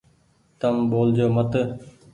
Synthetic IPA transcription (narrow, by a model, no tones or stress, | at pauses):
t̪əmɓoːld͡ʒoːmət̪